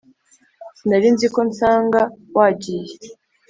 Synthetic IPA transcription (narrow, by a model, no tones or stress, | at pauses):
naɾinzikont͡saːŋɡawaɟiːje